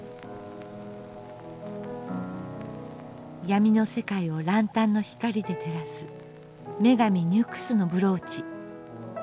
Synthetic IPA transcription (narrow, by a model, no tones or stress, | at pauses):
jamʲino̞se̞kaio̞ɾãnt̪ãnːo̞çi̥kaɾʲid̪e̞t̪e̞ɾasɨ | me̞ɡamʲiɲ̟ɨkɯ̥sɨno̞bɯ̟ɾo̞ːt͡ɕi